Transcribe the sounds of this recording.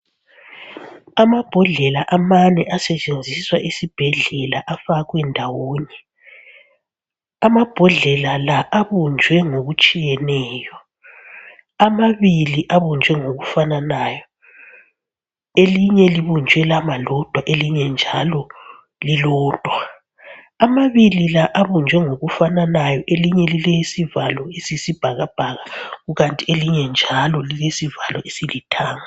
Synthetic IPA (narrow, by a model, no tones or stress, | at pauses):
amab̥ʱɔɮɛlaʔamanɛʔasɛt͡ʃʼend͡zʱiswaʔisib̥ʱɛɮɛlaʔafaɣwɛndʱawoːɲɛ | amab̥ʱɔɮɛlalaʔaβund͡ʒʱwɛŋoɣut͡ʃʼijɛnɛːjɔ | amaβiliʔaβund͡ʒʱwɛŋoɣufananaːjɔ | eliɲɛliβund͡ʒʱwɛlamalɔd̥ʱwaʔeliɲɛnd͡ʒʱalɔ | lilɔːd̥ʱwa | amaβililaʔaβund͡ʒʱwɛŋoɣufananajɔʔeliɲɛlilɛjisivalɔesisib̥ʱaɣab̥ʱaɣaɣuɣantʼieliɲɛnd͡ʒʱalɔlilesivalɔʔesilitʰaːŋa